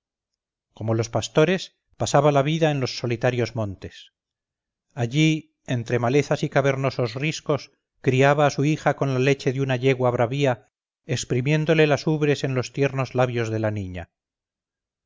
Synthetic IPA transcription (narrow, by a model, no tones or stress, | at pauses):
ko̞mo̞lo̞spast̪o̞ɾe̞s | pasaβalaβiðae̞nlo̞sːo̞lit̪aɾjo̞zmõnt̪e̞s | aʎi | e̞nt̪ɾe̞male̞θasikaβe̞ɾno̞so̞zrisko̞s | kɾiaβaːsuixako̞nlale̞t͡ʃe̞ðunaʎe̞ɣwaβɾaβia | ekspɾimje̞nd̪o̞le̞lasuβɾe̞se̞nlo̞st̪je̞ɾno̞zlaβjo̞zðe̞laniɲa̰